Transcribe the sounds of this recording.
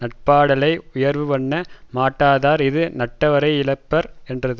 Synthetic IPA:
nɐʈ̚paːɽɐlɐɪʊjɐɾʋɯʋɐɳːɐmaːʈːaːðaːɾɪðɯnɐʈːɐʋɐɾɐɪɪɭɐɪpːɐɾɛndrɐðɯ

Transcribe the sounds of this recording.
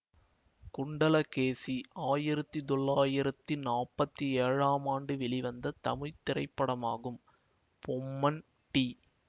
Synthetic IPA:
kʊɳɖɐlɐkeːsiaːjɪɾɐt̪ːɯt̪ɔɭːaːjɪɾɐt̪ːinaːpɐt̪ːieːɻaːmaːɳɖɯʋɛɭiʋɐnd̪ɐt̪ɐmɪɻt̪ːɪrɐ̰ɪpːɐɽɐma̰ːɣɯm | pɔmːɐn | ʈi

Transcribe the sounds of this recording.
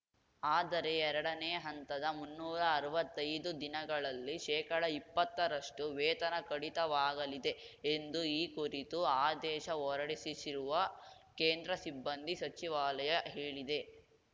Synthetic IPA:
aːd̪ɐɾe̞ɛɾɐɽɐneːɐɦɐnt̪ɐd̪ɐmunːuːɾɐːɾɐʋɐt̪ːɐjd̪ud̪inɐɡɐɭɐlːiʃɛːkɐɽɐipːɐt̪ːɐɾɐʂʈuʋɛːt̪ɐnɐkɐɽit̪ɐʋaːɡɐlid̪e̞ | end̪uiːkuɾit̪uaːd̪ɛːʃɐɔɾɐɽisisiɾuʋɐkeːnd̪ɾɐsibːɐnd̪ʱisɐt͡ʃiʋaːlɐjɐɦeːɭid̪e̞

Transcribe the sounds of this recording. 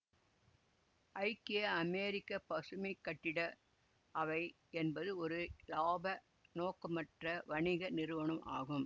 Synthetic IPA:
ʔɐɪkːɪɐɐmeːɾɪkːɐpɐsɯmɐɪkːɐʈːɪɽɐ | ɐʋɐɪ | ɛnbɐðɯɔɾɯlaːbɐ | noːkɯmɐʈrɐʋɐɳɪɣɐnɪɾɯʋɐɳɯmʔa̰ːɣɯm

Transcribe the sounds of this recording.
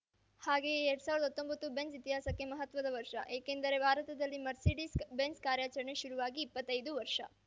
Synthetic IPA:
haːɡeːeɾɽusaːʋɾd̪ɐt̪ːo̞mbɐt̪ːubensit̪iɦaːsɐkːe̞mɐɦɐt̪ʋɐd̪ɐʋɐɾʂɐ̰ʔeːkend̪ɐɾe̞bʱaːɾɐt̪ɐd̪ɐlːimɐɾsiɖisbenskaːɾjaːt͡ʃɐɾɐɳeʃuɾuʋaːɡiːpːɐt̪ːɐjd̪uʋɐɾʂɐ̰

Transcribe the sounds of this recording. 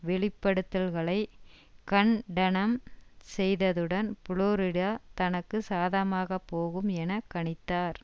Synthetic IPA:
ʋɛɭɪpːɐɽɯt̪ːɐlɣɐɭɐɪ | kɐɳɖɐɳɐmsɛjðɐðɯɽɐnpʊɻoːɾɪɽaːt̪ɐnɐkːɯsaːðɐmaːɣɐpːoːɣɯmɛnɐkːɐɳɪt̪ːaːɾ

